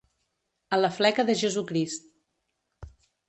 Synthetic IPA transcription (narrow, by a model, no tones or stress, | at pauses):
ələflɛkəðəʒəzukɾist̪